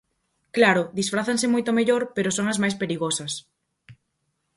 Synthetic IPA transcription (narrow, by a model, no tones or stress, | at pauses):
klaɾʊd̪isfɾaθɐŋsɪmojt̪omeʎoɾpeɾosoŋɐzmajspeɾiɣosɐs